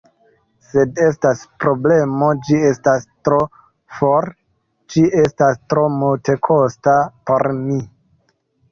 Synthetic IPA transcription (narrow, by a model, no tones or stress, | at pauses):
se̞de̞staspɾo̞ble̞mo̞d͡ʒie̞stastɾo̞ | foɾ | d͡ʒiʔe̞stastɾo̞multe̞kʰo̞stapo̞ɾmi